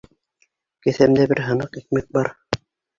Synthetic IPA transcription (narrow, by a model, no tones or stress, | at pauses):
kɘ̆θæmd̪æbɘɾɦɤ̆nɤqik̚mɘk̚bɑɾ